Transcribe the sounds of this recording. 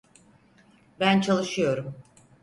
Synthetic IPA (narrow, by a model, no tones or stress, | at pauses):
bænt͡ʃʰalˠɯʃɯjo̞ɾum